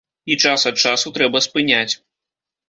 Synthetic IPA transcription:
it͡ʂasɐt̪̚t͡ʂasut̪ɾɛbɐspɨnʲat͡sʲ

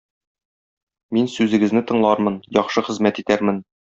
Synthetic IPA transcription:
minsʉzɘ̆ɡɘ̆znɘt̪ɤ̆ɴlˠɑɾmɤnjɒχʃɤχɘ̆zmæt̪it̪æɾmɘn

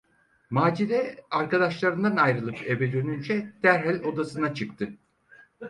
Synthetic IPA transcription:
maːd͡ʒiɾɛaɾkad̪aʃlˠaɾɯnd̪anajɾɯlˠɯpʰe̞bɛd̪ø̞nynd͡ʒɛd̪̥æɾɦælʲo̞d̪asɯnat͡ʃʰɯkt̪ʰɯ

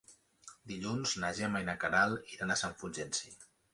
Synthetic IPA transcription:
d̪iʎunznaʒɛmajnakaɾaliɾanasaɱfud͡ʒensi

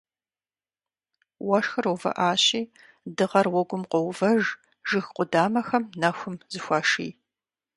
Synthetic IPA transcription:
wɐʂxɐrowvɐ̰ʔaːɕiː | dɨʁɐrwɔɡʷʊmqʷɔwvɐʒ | ʒɨxqʷʼʊdaːmɐxɐmnɐxʷʊmzɨxʷaːʂḭː

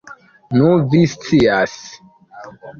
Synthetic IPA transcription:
nuvist͡sias

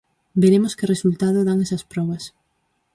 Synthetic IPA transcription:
beɾemoskɪresult̪að̞ʊðaŋɛsɐspɾɔβɐs

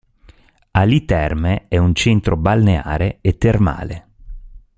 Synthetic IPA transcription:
alit̪ɛrmeɛunt͡ʃent̪ɾobalnea̰ːɾeet̪ːerma̰ːle

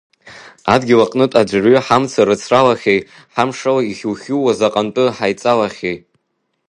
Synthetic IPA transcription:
adɡʲɪlaqʼnɨtʼad͡ʒʷrɥʏħamt͡sʰaɾɨt͡sʰralaχʲej | ħamʂalaiχʲuwχʲuwazaqʼantʼɨħajt͡sʼalaχʲej

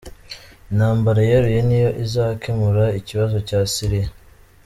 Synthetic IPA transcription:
naːmbaɾajeɾujenijo̞ʔizaːkemuɾaiciβazo̞caːsiɾija

